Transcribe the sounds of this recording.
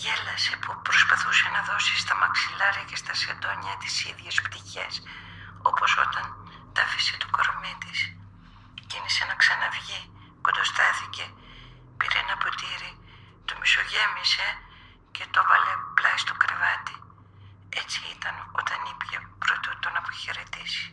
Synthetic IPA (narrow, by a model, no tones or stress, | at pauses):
ʝelɐsepupɾo̞spɐθuse̞nɐðo̞sist̪ɐmɐksilɐɾiɐcest̪ɐsed̪oɲiɐt̪isiðʝe̞spt̪içe̞̰so̞̰po̞so̞̰t̪ɐn | t̪ɐfiset̪u̥koɾomit̪is | cinise̞nɐksɐnɐvʝi | kod̪ost̪ɐθice̞ | pḭɾḛnɐpo̞t̪iɾi | t̪omiso̞ʝe̞mise̞ | cet̪ovɐleplɐjst̪okɾevɐt̪i | e̞t͡siḭt̪ɐno̞̰t̪ɐnipçepɾot̪ut̪onɐpoçe̞ɾet̪isi̥